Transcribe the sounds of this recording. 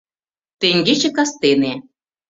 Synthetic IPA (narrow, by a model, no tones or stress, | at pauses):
t̪eŋɡet͡ɕĕkɑst̪ene